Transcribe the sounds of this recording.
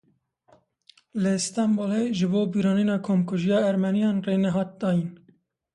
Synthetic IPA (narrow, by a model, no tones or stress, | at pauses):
lɨst̪ɑmboleʒɨboːbiːɾɑːninɑːkʰoːmkʰuʒijɑːɛɾmɛnijɑːnreːnɛɦɑːt̪̚d̪ɑːjin